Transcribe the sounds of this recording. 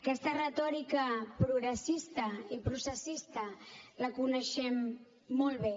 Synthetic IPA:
kɛst̪ərət̪ɔɾikəpɾuɣɾəsist̪əipɾusəsist̪ələkunəʃɛmː | ɔlˠβe

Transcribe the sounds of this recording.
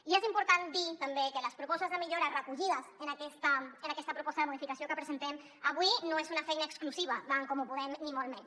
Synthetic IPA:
iezimpuɾt̪and̪it̪əmbekələspɾupɔst̪əzðəmiʎoɾarəkuʎiðəzənakɛst̪aənakɛst̪əpɾupɔst̪əðəmuðifikɐsijokəpɾəzent̪ɛm | aβwinoezunafɛjnaːkskluziβ̞ɐt̪aŋkomupuðɛmnimolˠmen

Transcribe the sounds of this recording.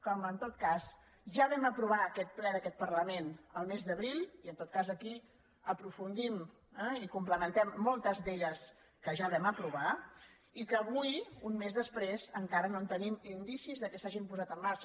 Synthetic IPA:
kɔmənt̪ot̪kaz | ʒaβɛməpɾuβ̞aəkɛt̪̚plɛðəkɛt̪̚pərləmenəlˠmezðəβɾilˠiənt̪ot̪̚kazəki | əpɾufund̪im | ɛikumpləmənt̪ɛmːɔlˠt̪əzðeʎəs | kəʒaβɛməpɾuβa | ikəːβujunmezðəspɾezəŋkaɾənont̪ənimind̪isizðəkəsaʒimpuzat̪əmːaɾt͡ʃə

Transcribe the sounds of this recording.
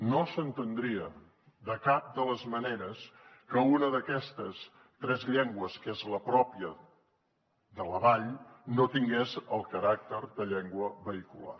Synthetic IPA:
nosənt̪ənd̪ɾiə | d̪əkap̚d̪ələzməneɾəskəunəðəkɛst̪əs | t̪ɾɛzʎɛŋɡwəskezləpɾɔpiə | ðələβaʎnot̪iŋɡezəlˠkəɾak̚t̪əɾd̪əʎɛŋɡwəβəikula̰r

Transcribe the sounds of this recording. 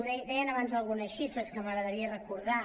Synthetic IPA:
ðɛd̪ɛjənəβanzðəlˠɣunəsʃifɾəskəməɣɾəðəɾiərəkuɾða

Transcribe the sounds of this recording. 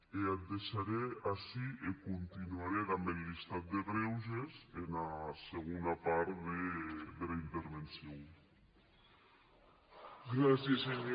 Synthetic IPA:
eat̪̚d̪eʃaɾeasiekunt̪inuaɾeðambelːist̪at̪̚d̪eɣɾewʒezenaseɣ̞unapaɾðed̪elaint̪eɾβensjo | ɡɾasjeseɲ

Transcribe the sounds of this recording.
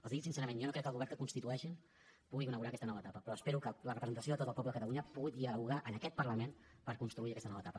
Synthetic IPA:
əlˠzðitsinsɛɾəmẽnjonokɾɛkːəlˠɣuβɛɾnkəkunst̪it̪uɛʃin | puɣikunəɣuɾaːkɛst̪ənɔβət̪apəpɾɔəspɛɾukələrəpɾəzənt̪əsioðət̪ot̪əpɔpləðəkət̪əluɲəpuɣit̪iəuɣaʔənəkɛt̪̚pərləmen | pəɾkunst̪ɾuiəkɛst̪ənɔβəːt̪apə

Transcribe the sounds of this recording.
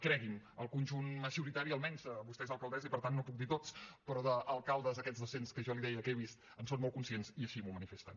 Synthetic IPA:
kɾɛɣiməlˠkunʲʒunməʒuɾit̪aɾiəlˠmɛnzβust̪ɛezəlˠkəlˠd̪ɛzəipəɾt̪anːopuk̚d̪it̪ot͡spɾɔðəʔːlˠkalˠd̪əzəkɛd͡zðəsenskəʒɔliðɛjəkeβ̞ist̪ | ənsonmɔlˠkunsiensiəʃimumənifest̪ən

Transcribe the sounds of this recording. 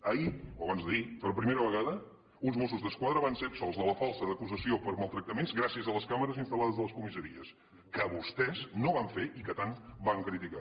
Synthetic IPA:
əioəβanzðəipəɾpɾimeɾəβ̞əɣaðə | unzmosuzðəskwaðɾəβansepsɔlˠzðələfalˠsəðəkuzəsiopəɾmalˠt̪ɾək̚t̪əmenzɣɾasiəzələskaməɾəzinst̪əlaðəzðələskumisəɾiəs | kəβust̪ɛznoβaɱfeʔikət̪anbaŋkɾit̪ika

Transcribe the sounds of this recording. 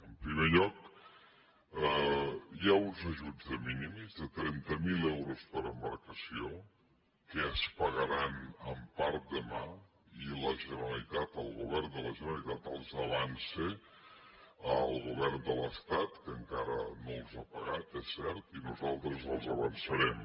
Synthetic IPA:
əmpɾimeʎɔk̚ | jaunzəʒud͡zðəminimzðət̪ɾɛnt̪əmilɛwɾuspəɾəmbəɾkəsio | kəːspəɣəɾanəmpaɾt̪̚d̪əma | iləʒənəɾəlit̪at̪əlˠɣuβ̞ɛrnd̪ələʒənəlit̪at̪əlˠzəβanse | əlˠɣuβɛrnd̪ələst̪at̪kəŋkaɾə̰nolˠzapəɣat̪ɛsːɛɾt̪inuzalˠt̪ɾəzəlˠzəβənsəɾɛm

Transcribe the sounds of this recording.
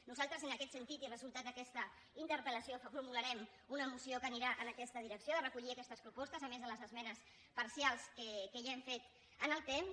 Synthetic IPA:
nuzalˠt̪ɾəzənəkɛt̪sənt̪it̪irəzulˠt̪at̪̚d̪əkɛst̪ə | int̪əɾpələsioffuɾmuləɾɛm | unəːmusiokəniɾaʔənəkɛst̪əðiɾəksioðərəkuʎiakɛst̪əspɾupɔst̪əzəmezðələzəzmɛnəs | pəɾsialˠskəkəʒaɛɱfet̪ | ənəlˠt̪em

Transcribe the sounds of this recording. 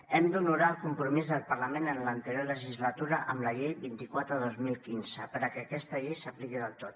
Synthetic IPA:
ɛmd̪unuɾaəlˠkumpɾumizðəlˠpəɾləmenənlənt̪əɾjoləʒizlət̪uɾəʔəmləʎejβint̪ikwat̪ɾəðozmilˠkinzəpəɾəkɛkɛst̪əʎɛjsəplikiðəlˠt̪ot̪

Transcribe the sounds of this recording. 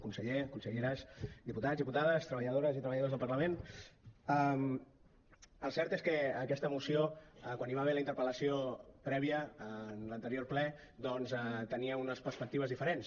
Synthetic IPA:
kunsəʎekunsəʎeɾəsd̪iput̪azðiput̪aðəst̪ɾəβəʎəðoɾəzit̪ɾəβəʎəðozðəlˠpərləmen | am | əlˠsɛɾt̪eskəːkɛst̪əmusioəkwaniβaβeləint̪əɾpələsiopɾɛβiəənlənt̪əɾijorplɛ | d̪ɔnzɛt̪əniəunəspəɾspək̚t̪iβəzðifəɾens

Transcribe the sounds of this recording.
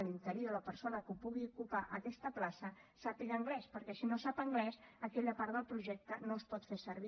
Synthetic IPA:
lint̪əɾioɾopəɾsonəkəupuɣiukupaʔəkɛst̪əplasəsapiɣəŋɡlɛspəɾkɛsinosapəŋɡlɛsəkɛʎəpaɾðəlˠpɾuʒɛk̚t̪ənospɔt̪fesəɾβi

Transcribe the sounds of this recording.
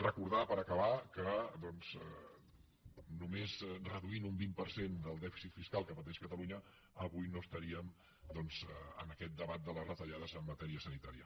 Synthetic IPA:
rəkuɾðapəɾəkəβakəd̪ɔnz̥ | numezrəðuinumbimpəɾsend̪əlˠd̪ɛfi̥sit̪fiskalˠkəpət̪̬ɛʃkət̪əluɲə | əβujnost̪əɾiəm | d̪ɔnzə̰nəkɛt̪̚d̪əβat̪̚d̪ələzrət̪əʎaðəzəmːət̪ɛɾiəsənit̪aɾiə

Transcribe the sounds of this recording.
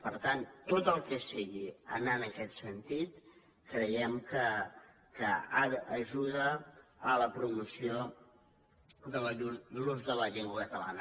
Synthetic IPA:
pəɾt̪ant̪ːot̪əlˠkəsiɣiənanəkɛt̪sənt̪it̪ | kɾəjɛmkə | kəaðʔːʒuðəːləpɾumusio | d̪ələduuluzðələʎɛŋɡwakət̪əla̰nə

